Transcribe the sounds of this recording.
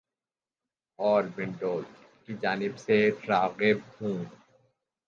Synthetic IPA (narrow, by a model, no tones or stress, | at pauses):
ɔːɾbɪ̃ɳɖoːl | kid͡ʒaːnɪbseɾaːɣɪb̚hũː